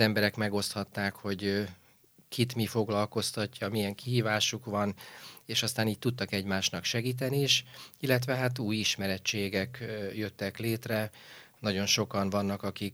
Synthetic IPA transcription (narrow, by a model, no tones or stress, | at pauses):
ɛmbɛɾɛkmɛɡo̞st̪hɒt̪ːaːkho̞ɟ | kʰit̪mifo̞ɡlɒlko̞st̪ɒcːɒmijɛŋkiɦiːvaːʃukʋɒneːʃɒst̪aːniːc̚t̚t̪ut̪ːɒkɛɟmaːʃnɒkʃɛɡiːt̪̬ɛniːʃilːɛt̪ʋɛɦat̪uːjiʃmɛɾɛt͡ʃːeːɡɛkjø̞t̪ːɛkleːt̪rɛnɒɟo̞nʃo̞kɒnvɒnːɒkɒkik